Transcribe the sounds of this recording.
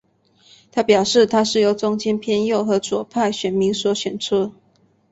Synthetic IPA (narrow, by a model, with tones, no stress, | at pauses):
t̪ʰa˥pjɑ˨˩ʊʂɻ̩˥˨t̪ʰa˥ʂɻ̩˥˩jo˧˥ʊt͡sʊ˥ŋt͡ɕjɛ˥npʰjɛ˥˧njo˥˨ʊxɤ˧˦˥t͡swɔ˨˩pʰa˥˩ɪɕɥɛ˨˩nmi˧˥ŋswɔ˧˥ɕɥɛ˨˩nt͡sʰu˥